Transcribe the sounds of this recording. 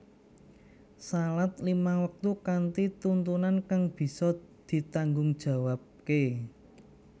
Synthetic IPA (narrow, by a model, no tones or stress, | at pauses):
salat̪̚limawək̚t̪ukant̪it̪unt̪unankaŋb̥i̤sɔd̪̥i̤t̪aŋɡʊŋd̥ʒ̥a̤wap̚ke